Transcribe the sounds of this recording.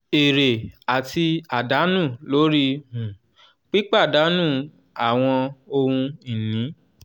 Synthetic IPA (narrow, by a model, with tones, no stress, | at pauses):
e˨ɾe˨a˨ti˧a˨da˨˦nũ˦˨lo˨˦ɾi˦hũ˨ | k͡pi˦k͡pa˦˨da˨˦nũ˦˨ | a˨w̃ɔ̃˧o˧hũ˧i˨nĩ˨˦